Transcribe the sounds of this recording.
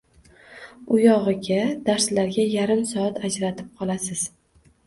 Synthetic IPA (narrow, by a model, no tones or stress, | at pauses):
ʊjɒʁɨɡʲad̪̥aɾslaɾɡʲajaɾɪmsɒat̪ʰad͡ʒɾat̪ʰɪp̚qʰɒlˠasɪz̥